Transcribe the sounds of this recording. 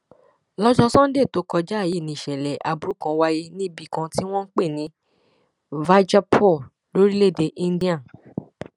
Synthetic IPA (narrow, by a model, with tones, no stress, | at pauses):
lɔ˦d͡ʒɔ˧sɔ̃˦n̩˦de˦˨to˨˦kɔ˧d͡ʒa˦˨ji˨˦˨nĩ˨ʃɛ˨lɛ˨ʔa˨bu˨ɾu˦kã˧wa˧je˧nĩ˦bi˦˨kã˧ti˦w̃ɔ̃˦n̩˦k͡pe˦˨nĩ˨˦ | va˦d͡ʒa˦pʰɔ˦˨ | lo˦ɾi˦le˦˨de˧ʔĩ˦n˦di˦ã˦˨